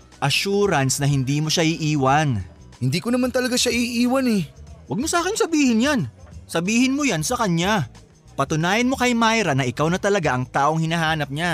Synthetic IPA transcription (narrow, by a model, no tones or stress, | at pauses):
ʔɐʃuːɾɐnsnɐɦɪnd̪iːmoʃaʔɪʔiːwɐn | hɪnd̪iːkonɐmant̪ɐlɐɡaʃaʔiʔiːwɐnɛwɐɡ̚mosaːkɪnsɐbiːhɪnjansɐbiːhɪnmojansɐkɐɲa | pɐt̪ʊnaːjɐnmo̞kɐjmajɾɐnɐʔɪkawnɐt̪ɐlɐɡaʔɐŋt̪aːʔoŋhɪnaɦaːnɐp̚ɲa